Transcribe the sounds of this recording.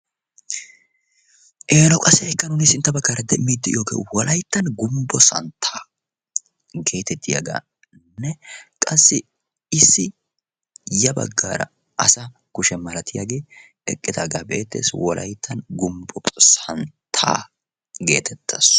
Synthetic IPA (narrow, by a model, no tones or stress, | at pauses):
ʔeːlɔkʼɐsɛɛkːɐnʊnɪsɪnt̪ːɐbɐɡːaːɾɐd̪ɛmːiːd̪ːɪjoːɡḛːwɔlɐjt̪ːɐnɡʊmbɔsɐ̰nt̪ʰːaː | ɡe̞ːt̪ɛt̪ːɪja̰ɡa̰ː | nːɛkʼɐsːɪ | ɪsːɪ | jɐbɐ̰ɡːa̰ːɾɐ̰ | ɐ̰sɐ | kʊʃɛmɐlɐt̪ʰɪjaːɡe̞ː | ɛ̰kʼːɪd̪aːɡaːbet̪ːe̞̰ːswʔɔ̰lʔɐ̰jt̪ʰːɐnɡʊmbɔsɐnt̪ʰa̰ː | ɡe̞ːt̪ʰɛt̪ːɐs